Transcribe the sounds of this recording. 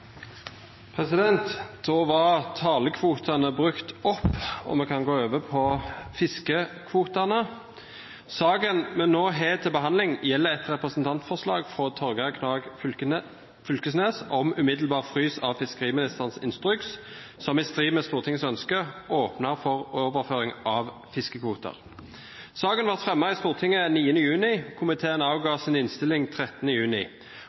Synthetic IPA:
pʰʁɛsɪd̪ɛnt̪d̪̥ɔːʋɑʁt̪ʰɑːləkʰʋuːt̪ʰɑnəbʁʉkt̪ɔpːɔ̰mɛkʰɑnɡoːøːʋəpʰɔfɪskəkʰʋuːt̪ɑnə | sɑːɡənmɛnːoːɦeːt̪ʰɪlbəɦɑnd̪lɪŋjɛlːəʁɛt̪ʁɛpʁəsənt̪ʰɑnt̪fɔslɑ̰ːɡfʁɔt̪ʰɔɾɡɑkʰnɑːɡ | fʏlkəsneːsɔmʉmɪd̪lbɑːʁfʁyːsɑʋfɪskəʁiːmɪnɪst̪əʁnsɪ̰nst̪ʁʏks | sɔmɪst̪ʁiːməst̪uːʁt̪ʰɪŋəsœnskəʔoːpnəʁfɔʁoːʋəʁføːʁɪŋʔɑʋ | fɪskəkʰʋuːt̪ə̰ʁ | sɑːɡənʋɑʁt̪fʁɛmːɑist̪uːʁt̪ʰɪŋəniːənəjʉːnɪkʰʊmɪt̪ʰeːənɑʊɡɑːsɪnɪnst̪ɪlɪŋt̪ʰʁɛt̪ːənəjʉːnɪ

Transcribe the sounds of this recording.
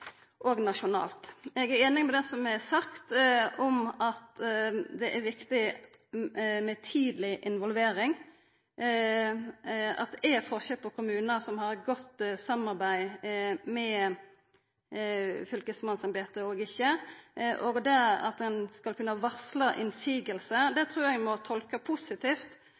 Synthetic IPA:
ʔoɡnɑʃʊnɑ̰ːlt̪ɛɡæɾeːnɪŋmɛd̪ɛsɔmɛsɑkt̪ɔmɑt̪d̪ɛʔæɾʋɪkt̪ɪ | mɛt̪ʰiːd̪lɪʔɪnʋɔlʋeːɾɪŋ | ɑ̰t̪ɛfɔʁʃəpɔkʰʊmʉːnəsɔmhɑɾɡɔt̪sɑmɑɾbæɪmɛ | fʏlkəsmɑnsɑmbeːt̪əoːɡɪçːəʔoɡd̪ɛɑ̰t̪̚d̪ɛnskɑlkʰʉnːəʋɑslɑʔɪ̰nsiːɡəlsəd̪ɛt̪ʰɾʉːɾɛɡmɔt̪ʰɔlkəpʰʊsɪt̪ʰiːft̪

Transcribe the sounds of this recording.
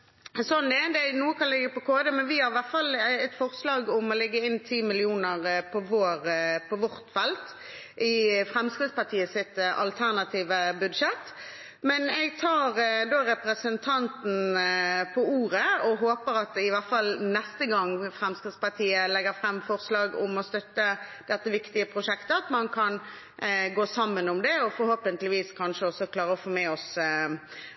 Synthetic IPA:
sɔnd̪ɛd̪ɛnuːəkʰɑnlɪɡːəpɔkʰoːd̪əmɛnʋɪhɑɾɪʋæʁt̪fɑlɛt̪fɔʁslɑːɡʊmɔlɛɡːəɪnːt̪ʰiːmɪlɪuːnəʁpʰɔʋoːɾpʰɔʋɔʁt̪fɛlt̪ | ʔɪfʁɛmskɾɪd̪spɑt̪ʰiːəsɪt̪ɑ̰lt̪ʰæʁnɑt̪ʰiːʋəbʉd̪ʃɛt̪ | mɛnɛɡt̪ʰɑːʁd̪oɾɛpɾəsənt̪ʰɑnt̪n̩pʰɔuːɾəɔɦoːpəɾɑt̪ɪʋæʁfɑlnɛst̪əɡɑŋːfɾɛmskid̪spɑʁt̪ʰiːəlɛɡəfɾɛmːfɔʁslɑːɡʊ̰mɔst̪œt̪ːəd̪̥ɛt̪ːəʋɪkt̪ɪəpʰʁʊʂɛkt̪əɑt̪mɑnkʰɑn | ɡoːsɑmːənʊmd̪ɛɔfɔɾhoːpənt̪lɪʋiːskʰɑnʂəɔsːɔkʰlɑːʁəɔfoːmeːɔs

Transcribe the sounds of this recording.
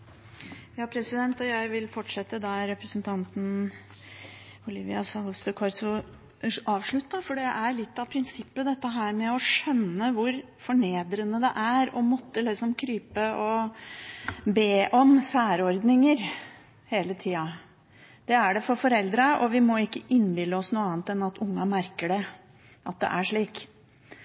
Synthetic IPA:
jɑːpʰɾɛsɪd̪ɛnt̪ɔjæɪʋɪlfɔʈʂɛt̪ːəd̪ɑɾɛpɾəsnt̪ʰɑnt̪n̩ | ɔliʋɪɑsɑlst̪əkʰɔɾsʊ | ɑːʋʂɭʉt̪ːɑfɔɖɛʔæɾɭɪt̪ːɑʋpʰɾɪnsɪpːəd̪ɛt̪ːəɦæːɾmɛɔʂœnːəʋʊɾ | fɔɳeːd̪ɾənəd̪ɛ̰ʔæɾɔmɔt̪ːəlɪksɔmkʰɾyːpəʔɔ | beːʔɔmsæːɾɔɾd̪nɪŋəɾ | heːlət̪ʰiːɑ | d̪̥ɛæɖɛfɔɾfɔɾɛld̪ɾəʔɔʋɪmɔɪkːəʔɪnːbɪlːəɔsnuːɑːnt̪ɛnɑt̪ʰʊŋːɑmæɾkəɖɛ | ʔɑt̪̚d̪ɛ̰ʔæʂɭiːk

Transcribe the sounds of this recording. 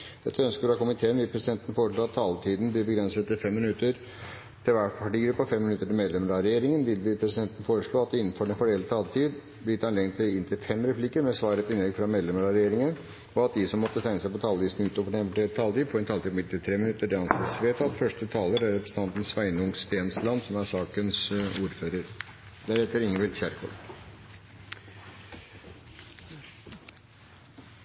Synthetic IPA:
d̪ɛt̪ːəœnskəɾɑkʊmɪt̪ʰeːənʋɪlpʰɾɛsɪd̪ɛnt̪ən̩foːɾəʂɭoːɑt̪ʰːɑːlt̪ʰiːd̪n̩blɪɾbəɡɾɛnsət̪ːɪlfɛmːɪnʉt̪ːəɾ | t̪ʰɪlʋæʈpʰɑʈiːɡɾʉpːɑfɛmːɪnʉt̪ːəʈɪlmeːd̪lɛməɾɑɾɛjeːɾɪŋənʋɪld̪ɪpʰɾɛsɪd̪ɛnt̪n̩foːɾəʂɭoːɑt̪̚d̪ɛɪnːn̩fɔɖɛnfɔɖɛlət̪ʰɑːlt̪ʰiːd̪ | blɪɪt̪ʰːɑnlɛɡnt̪ʰɪɪnt̪ʰɪlfɛmɾɛpʰlɪkːəɾmɛsʋɑːɾəɛt̪ɪnlɛɡfɾɑmeːd̪lɛməɾɑɾɛjeːɾɪŋən | ɔɑt̪̚d̪ɪsɔmːɔt̪ːət̪ʰæɪnəsæɪpɔt̪ʰɑːlʋiːsn̩ʉːt̪oːʋəɖɛnʋəʈʰelt̪ʰɑːlt̪iːpʰɔɾɛnt̪ʰɑlt̪iːbpɔmɪnt̪ʰːɪlt̪ʰɾeːmɪnʉt̪ːəɖɛɑnsɑt̪sʋeːt̪ʰɑt̪fœʂʈət̪ʰɑːləɾæɾɛpɾəsət̪ɑnt̪ən̩sʋæɪnʊŋst̪eːnslɑnd̪sɔmæʂɑːkənsuːɾføːɾəɾ | d̪æɾɛt̪ːəɾɪŋːəʋɪlçæɾkʰɔ̰

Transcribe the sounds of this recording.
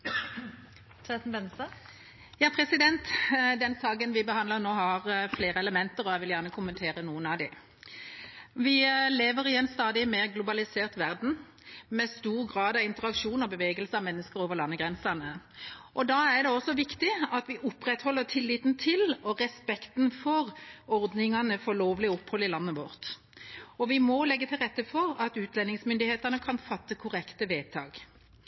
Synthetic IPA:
t̪ʰɛt̪n̩bɛnsɑ | jɑːpʰɾɛsɪd̪ɛnt̪d̪ɛnsɑːɡənʋɪbəhɑnd̪ləʁnoːhɑʁfleːɾəɛləmɛnt̪əʁɔæɪʋɪljæʁnəkʰʊmənt̪ʰeːʁənuːənɑʋd̪ɪ | ʋɪleːʋəʁɪɛnst̪ɑːd̪ɪmeːʁɡlʊbɑlɪseːʁt̪ʋæʁd̪n̩ | mɛst̪uːʁɡʁɑːd̪ɑʋɪnt̪əʁɑkʃuːnɔbəʋeːɡəlsəɑʋmɛnːəskəɾoːʋəʁlɑnːəɡʁɛnsɑnəʔɔd̪ɑːæʁd̪ɛɔsːɔʋɪkt̪ɪɑt̪ʋɪʔʊpːʁɛt̪hɔlːət̪ʰɪlːɪːt̪n̩t̪ʰɪlɔʁɛspɛkt̪nfɔʁɔʁd̪nɪŋɑnəfɔʁloːʋlɪəʊphɔlɪlɑnːəʋɔʁt̪ | ɔʋɪmɔlɛɡːət̪ʰɪlʁɛt̪ːəfɔʁɑt̪ʉːt̪lɛnːɪŋsmʏnd̪ɪheːt̪ənəkʰɑnfɑt̪ːəkʰʊʁɛkt̪əʋeːt̪ʰɑ̰ːɡ̥

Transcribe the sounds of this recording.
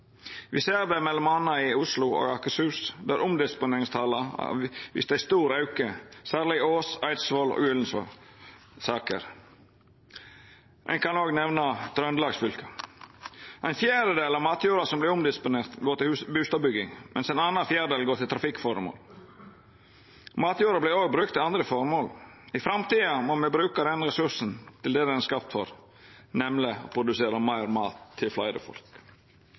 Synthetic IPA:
ʋɪseːɾd̪ɛmɛlːɔmɑnɑɪʊslʊo̰ɡɑkəsʉːsd̪æɾʔʊmd̪ɪspʊneːɾɪŋst̪ʰɑːlɑ̰ʋɪ̰sd̪ɛæɪst̪uːɾɑʉkəsæːɾlɪoːsɑɪsʋoːlo̰ːɡʉːlən̩s | sɑːkə̰ɾ | ʔɛ̰nkʰɑnoːɡnɛʋnɑt̪ʰɾœnd̪lɑːɡsfʏlkə | ʔæɪnfjæːɾəd̪eːlɑːmɑːt̪jʉːɾɑsɔmblɪɾʊmd̪ɪspʊneːɾt̪ɡoːɾɪlhʉbʉːst̪ɑbʏɡɪŋmʔɛ̰nsɛnɑːnɑnfjæːɾəd̪eːlɡoːʈ̪ɪlt̪ʰɾɑfɪkːfɔɾmo̰ːl | mɑːt̪juːɾɑblɪɾoːɡ̚bɾʉkt̪ʰːɪlɑnd̪ɾəfɔɾmoːl | ɪfɾɑmt̪iːɑmɔmɛbɾʉːkɑd̪ɛnɾɛsʉsn̩t̪ʰɪld̪ɛd̪ɛnɛskɑpt̪fɔɾ | nɛmlɪo̰pʰɾʊd̪ʉseːɾɑmæɪɾmɑːt̪ʰːɪlflɑɪd̪ə̰fɔ̰lk

